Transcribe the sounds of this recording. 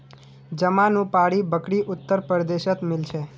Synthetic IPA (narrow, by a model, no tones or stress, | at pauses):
d͡ʒəmãnũpaɽibəkɽiʔʊt̪ːəɾpəɾd̪eʃət̪mɪlʃe